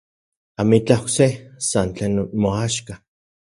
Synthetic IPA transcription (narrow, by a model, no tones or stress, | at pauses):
amit͡ɬaoksesant͡ɬeːnmoaʃka